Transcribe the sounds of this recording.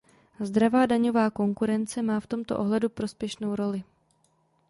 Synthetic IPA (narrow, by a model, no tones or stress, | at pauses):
zd̪ɾavaːdaɲo̞vaːko̞ŋkuɾɛnt͡sɛmaːft̪o̞mt̪o̰ʔo̞ɦlɛdupɾo̞spjɛʃno̞wɾo̞lɪ